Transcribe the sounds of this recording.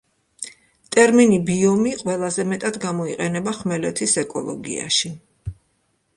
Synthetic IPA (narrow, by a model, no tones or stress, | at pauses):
t̪ʼɛɾminibiɔmiqʼwɛlˠazɛmɛt̪ʼad̪ɡamɔiqʼɛnɛbaχmɛlɛt̪ʰisɛkʼɔ̰lˠɔ̰ɡḭa̰ʃi